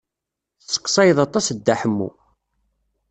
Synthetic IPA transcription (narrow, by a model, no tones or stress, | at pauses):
θsə̥qːsˤɑjəðˤɑt̪ˤːɑsd̪ːaħəmːṵ